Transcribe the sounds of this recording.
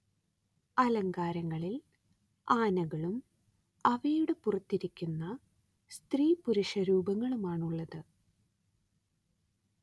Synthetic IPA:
ɐlɐŋɡaːɾɐŋːɐɭil | aːnɐɣɐɭum | ɐʋejuɽepurɐt̪ːiɾikʲːunːɐ | st̪riːpuɾuʂɐɾuːbɐŋːɐɭumaːɳuɭːɐðɨ

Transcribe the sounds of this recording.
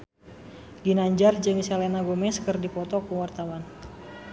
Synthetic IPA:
ɡinaɲd͡ʒard͡ʒɨŋsɛlɛnaɡomɛskɨrdipɔt̪ɔkəwart̪awan

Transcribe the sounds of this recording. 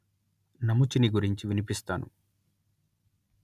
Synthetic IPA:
nɐmut͡ʃiniɡuɾiɲt͡ʃiʋinipist̪aːnṵ

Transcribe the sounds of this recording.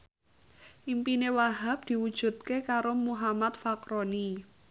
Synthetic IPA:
ʔimpinewaɦap̚d̪̥i̤wud̥ʒ̥ṳt̪̚kekaɾomuɦamat̪̚fakɾoni

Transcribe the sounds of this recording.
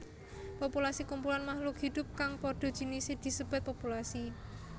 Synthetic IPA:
populasikumpulanmahlʊkhid̪ʊ̤p̚kaŋpɔɖ̥ɔ̤d̥ʒ̥i̤nised̪̥i̤səb̥a̤t̪̚populasi

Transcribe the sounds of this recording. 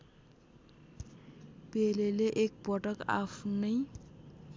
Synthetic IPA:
peleleʔek̚pʌʈʌka̰pʰnʌj

